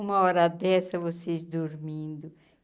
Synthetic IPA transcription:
ũmɐɔɾad̪ɛsɐvosezd̪oɾmĩnd̪ʊ

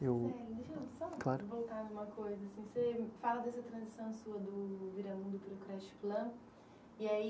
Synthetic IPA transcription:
ewɛd̪iʃeɐb̪isɐ̃w̃klaɾʊvowt̪anũmɐkojzɐasĩsefalɐd̪ɛsɐt̪ɾɐ̃zisɐ̃w̃suɐd̪ʊviɾɐmũd̪ʊpɾʊkɾɛst͡ʃi̥plɐ̃ | iai

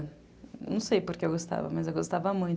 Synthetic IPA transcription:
nɐ̰̃w̃sejpoɾkeewɡost̪a̰vɐ̰mɐzewɡost̪avɐmũj̪̃

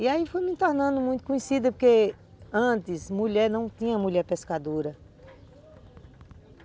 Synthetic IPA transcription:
iaifojmĩt̪ɔɾnɐ̃nd̪ʊmũj̃t̪ʊ̥kõɲesid̪ɐpoɾke | ɐ̃t̪ɪzmuʎɛɾnɐ̃w̃t̪ĩɲɐmuʎɛɾpeskad̪oɾɐ

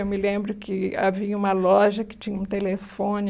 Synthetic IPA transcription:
ewmɪlẽmbɾʊkɪa̰viɐũmɐlɔʒɐkɪ̥t͡ʃĩɲɐũt̪elefõn

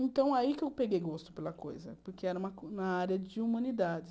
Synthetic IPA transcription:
ẽnt̪ɐ̃w̃aikɪewpeɡejɡost̪ʊ̥pelɐko̰jzɐ̰poɾkʰeɛɾɐũmɐmɐaɾɐd͡ʒɪumɐ̃nid̪ad͡ʒɪ

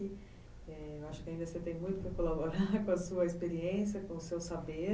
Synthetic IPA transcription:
ɪ | ɛewaʃʊkɪãĩnd̪ɐset̪ẽj̃mũj̃t̪ʊkɪkolaboɾaɾkõɐsuɐespeɾiẽsjɐkõʊsewsabe

